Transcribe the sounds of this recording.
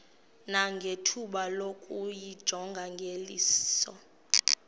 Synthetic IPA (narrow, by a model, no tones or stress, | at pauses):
naŋɡʱetʰuɓalokʼujid̥ʒ̥ʱɔŋɡʱaŋɡʱelḭːssɔ